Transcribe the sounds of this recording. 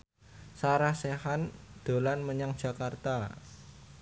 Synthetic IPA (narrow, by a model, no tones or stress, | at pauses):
saɾahsehand̪̥o̤lanməɲaŋd̥ʒ̥a̤kart̪a